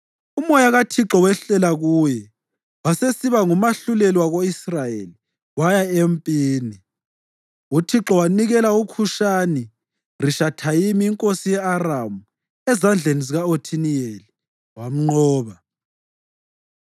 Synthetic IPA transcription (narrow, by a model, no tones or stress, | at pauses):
umɔjaɣatʰiǁɔwɛɬɛlaɣuːjɛ | wasesiβaŋumaɬulɛlwaɣoisrajeli | wajaempʼiːni | utʰiǁɔwaniɣɛlaukʰuʃani | riʃatʰajimiːŋkʼosijɛaramu | ɛzand͡ɮʱeniziɣaotʰinieli | wam̩ŋ͡ǃɔːβa